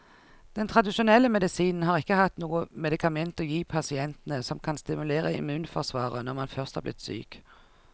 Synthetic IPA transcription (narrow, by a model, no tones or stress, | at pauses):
d̪̥ɛnt̪ʰʁɑd̪ɪʃʊnɛlːəmɛd̪ɪsiːnn̩hɑːʁɪkːəhɑt̪nuːəmɛd̪ɪkʰɑmɛnt̪ɔjiːpʰɑsɪɛnt̪ən̩əsɔmkʰɑnst̪ɪmʉleːʁəɪ̰mʉːnfɔʁsʋɑːʁənɔʁmɑnfœʁst̪hɑ̰ʁblɪ̰t̪sy̰ːk